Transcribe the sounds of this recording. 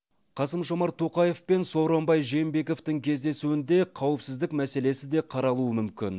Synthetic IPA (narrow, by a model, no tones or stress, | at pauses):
qʰɑsəmʒo̞mɑɾt̪ʰo̞qɑje̞fpe̞nso̞ɾombɑjʒejembe̞ko̞ft̪ɪŋkʲʰe̞zd̪e̞suɪnd̪e̞qʰɑwəpsɪzd̪ɪk̚mæse̞le̞sɪd̪e̞qʰɑɾɑlˠuəmʏmkʲɪn